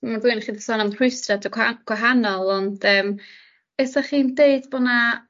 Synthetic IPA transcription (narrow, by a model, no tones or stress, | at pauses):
marvɨnχiːdðsɔnamrʊjstradɔɡɡ̥waɦanɔlˠɔndəːm | ɛsaχiːndeɨdbɔna